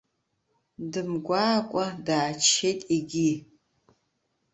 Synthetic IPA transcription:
dɨmɡʷaːkʷʼɔdaːt͡ʃʰetʼiɡʲi

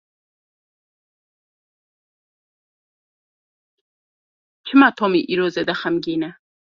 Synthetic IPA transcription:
t͡ʃʰimat̪ʰoːmiʔiɾoːzed̪ɐχɐmɡina

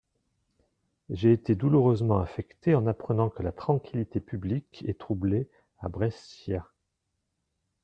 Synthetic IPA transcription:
ʒeːt̪ed̪uluʁøzmɑ̃afɛkt̪eɑ̃napχənɑ̃kəlat̪χɑ̃kʲʰilit̪epyblikɛ̰t̪χuble | abʁɛsja

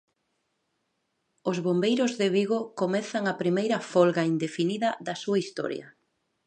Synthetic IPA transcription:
ʊzβombejɾʊzðɪβiɣokomɛθɐŋɐpɾimejɾɐfɔlɣaind̪efiniðɐðɐsuɐist̪ɔ̰ɾjɐ̰

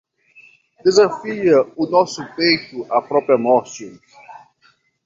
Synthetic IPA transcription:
d̪̥ezafiɐʊnɔsʊpejt̪ʊʔapɾɔpɾjɐmɔɾsõ

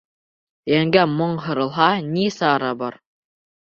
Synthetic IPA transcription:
jæŋɡæmoɴɦɤ̆ɾɤ̆lˠɦɑnʲisɑːɾɑbɑɾ

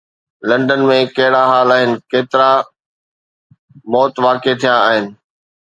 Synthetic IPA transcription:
lɐ̃ɳɖənmẽkɐɦɪɽaɦaːlaːɦɪnɪ̆keːt̪ɪɾa | mɔːt̪ʋaːket̪ʰijãaːɦɪnɪ̆

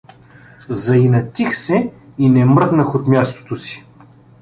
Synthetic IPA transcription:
zɐinɐt̪ixsɛinɛmɾd̪nəxot̪mʲjast̪o̥t̪osi̥

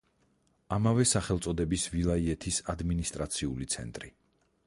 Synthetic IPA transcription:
amavɛsaχɛlˠt̪sʼɔd̪ɛbisvilˠaiɛt̪ʰisad̪minist̪ʼɾat̪sʰiulit̪sʰɛ̰nt̪ʼɾi

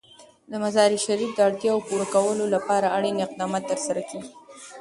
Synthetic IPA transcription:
d̪əmazɑɾiʃaɾifd̪əaɽt̪jɑwpuɾakawəlolapɑɾaaɽinɪq̚d̪ɑmɑt̪ːəɾsaɾakeɡi

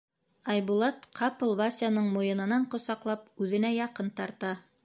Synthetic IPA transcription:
ɑjbulˠɑt̪qʰɑpolˠβasʲjanɤɴmŏjɤ̆nɤ̆nɑɴqŏsɑqlˠɑp̚ʉðɘ̆næjɑqɤnt̪ɑɾt̪ɑ

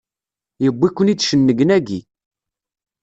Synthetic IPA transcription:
jəbːikʷːənidʃənːəɡənæɡi

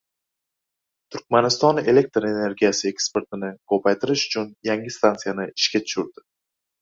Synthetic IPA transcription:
t̪ʰʊɾk̚ʲmanɪst̪ɒne̞le̞k̚ʲt̪ɾe̞ne̞ɾɡʲijasɪe̞kspe̞ɾt̪ɪnɪkʰɵpʰajt̪ʰɪɾɪʃʊ̥t͡ʃʰʊnjaŋʲɪst̪ʰant̪sijanɪɪʃkʲat̪ʰʊ̥ʃʊɾd̪ɪ

